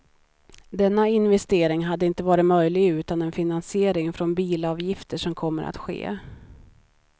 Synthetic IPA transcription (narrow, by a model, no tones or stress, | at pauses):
d̪ɛnːaɪnvɛst̪eːɾɪŋɦad̪ːəɪnt̪əvɑːɾɪmœjlɪɡʉ̟ːt̪anɛnfɪnansɪeːɾɪŋfɾɔnbiːlɑːvjɪft̪əʂɔmkʰɔmːəɾa̰t̪ɧḛː